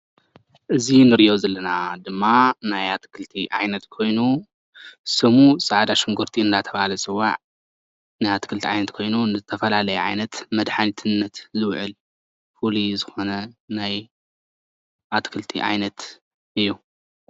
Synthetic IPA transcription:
ʔɨzinɨɾijozɐlːɐnad̪ɨmːanajat̪kʰɨlt̪ʰiʕa̰jnɐt̪kʰo̞jnu | sɨmusʼaʕd̪aʃɨŋɡoɾt̪ʰiɨnd̪at̪ʰɐβahalɐsʼɨwːa̰ʕ | najat̪kʰɨlt̪ʰiʕa̰jnɐt̪kʰo̞jnunɨzɨt̪ʰɐfɐlalɐjɛʕa̰jnɐt̪mɐd̪ħanit̪ʰɨnːɐt̪zɨwʕɨ̰l | fulizɨxo̞nɐnaj | ʔat̪kʰɨlt̪ʰḭʕa̰jnɐt̪ | ʔɨjːu

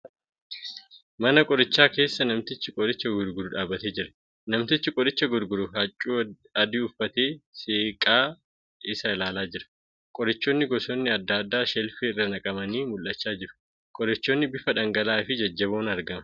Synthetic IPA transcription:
mɐnɐkʼɔɾɪt͡ʃːaːke̞ːsːɐnɐmt̪ɪt͡ʃːɪkʼɔdɪt͡ʃːɐɡʊɾɡʊɾʊᶑaːbɐt̪eːd͡ʒɪɾɐ̥ | nɐmt̪ɪt͡ʃːɪkʼɔɾɪt͡ʃːɐɡʊɾɡʊɾʊɦɐt͡ʃʼːuː | ɐd̪iːʊfːɐt̪e̞ːseːkʼaː | ɪsɐɪlaːlaːd͡ʒɪɾɐ̥ | kʼɔɾɪt͡ʃːoːnːɪɡɔsoːnːɪɐd̪ːaːd̪ːaːʃɛlfeɪrːɐnɐkʼɐmɐniːmʊlːɐt͡ʃːaːd͡ʒɪɾʊ̥ | kʼɔɾɪt͡ʃːoːnːɪbɪfɐᶑɐŋɡɐlaːfɪd͡ʒɐd͡ʒːɐβoːnɐɾɡɐmɐ̥

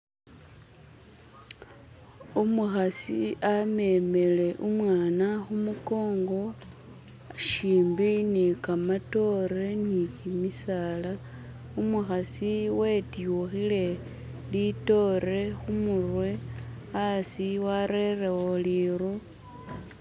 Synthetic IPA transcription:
umuxasiame̞me̞le̞ʔumwaːnaxumuko̞ːŋɡo̞ | ʃiːmbinikamato̞ɾe̞nikimisala | umuxasiwe̞tjuxile̞ | lito̞ɾe̞xumurwe̞ | asiwaɾerewoliːɾu

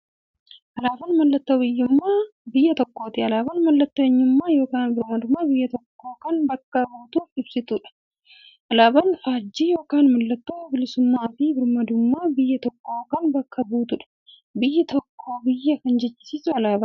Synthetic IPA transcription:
ʔɐlaːbɐnmɐlːɐt̪ːoːbɪjːʊmːaːbɪjːɐt̪ɔkːoːt̪ɪɐlaːbɐnmɐlːɐt̪ːeːɲːʊmːaːjo̞ːkaːnbɪɾmɐd̪ʊmːaːbɪjːɐt̪ɔkːo̞ːkɐnbɐkːɐbuːt̪uːfɪbsɪt̪uːᶑɐ̥ | ʔɐlaːbɐnfaːd͡ʒːiːjo̞ːkaːnmɐlːɐt̪ːoːbɪlɪsʊmːaːfɪbɪɾmɐd̪ʊmːaːbɪjːɐt̪ɔkːo̞ːkɐnbɐkːɐbuːt̪ʊᶑɐ̥ | bɪjːɐt̪ɔkʰːo̞ːbɪjːɐkɐnd͡ʒɛt͡ʃːɪ̥siːsʊɐlaːbɐ

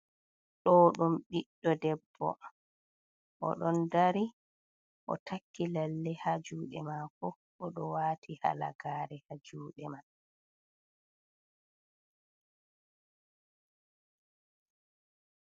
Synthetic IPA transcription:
ɗɔɗumɗiɗːɔdɛbːɔ̰ | ʔɔ̰ɗɔndaɾi | ʔɔ̰tʰakːilalːɛhad͡ʒuːɗɛmaːkɔ | ʔːɗɔwaːtʰiha̰la̰ɡaːɾɛhad͡ʒuːɗɛman

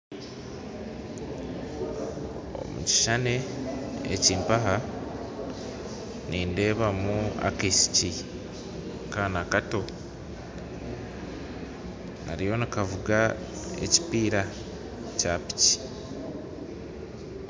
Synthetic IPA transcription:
o̰mṵci̥ʃane̞ḛciːmpaɦa | niːnde̞ːβamua̰kesi̥ci | kaːnakato̞ | na̰ɾijo̞nikavuɡa | ḛci̥piːɾa | capi̥ci̥

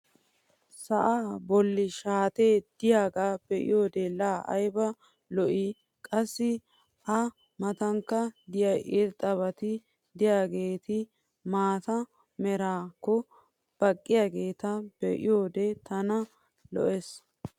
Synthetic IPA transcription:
sɐʔaːbɔlːɪʃaːt̪e̞ːd̪̥ɪjaːɡaːbɛʔɪ̰joːd̪ɛlaːʔɐ̰jbɐ | lɔʔɪ | kʼɐsːɪ | ʔɐ | mɐt̪ɐŋkːɐd̪ɪjɐjʔɪɾt̪ʼːɐβɐt̪ɪ | d̪ɪjaːɡe̞ːt̪ɪ | maːt̪ɐ | mɛɾaːkːɔ | b̥ɐkʼːɪjaːɡe̞ːt̪ɐb̥ɛʔɪjoːd̪ɛt̪ɐnɐ | lɔ̰ʔes

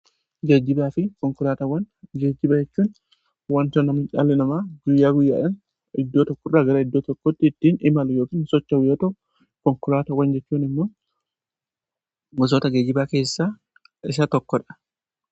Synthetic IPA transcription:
ɡeːd͡ʒːɪbaːfɪkɔŋkʊlaːt̪ɐwɐn | ɡeːd͡ʒːɪbɐd͡ʒɛt͡ʃːuːn | wɐnt̪ɔnɐmɪt͡ʃa̰lːɪnɐmaːɡʊjːaːɡʊjːa̰ːᶑɐn | ɪd̪ːoːt̪ɔkːɔrːaːɡɐɾɐɪd̪ːoːt̪ɔkːɔt̪ːɪːt̪ːiːnɪmɐlʊjo̞ːkiːnsɔt͡ʃːɐwɪjoːt̪ɐ | kɔŋkʊlaːt̪ɐwɐnd͡ʒɛt͡ʃːuːnɪmːoː | ɡɔs̬oːt̪ɐɡeːd͡ʒɪbaːke̞ːsːaː | ɪs̬ɐt̪ɔkːɔᶑɐ̥

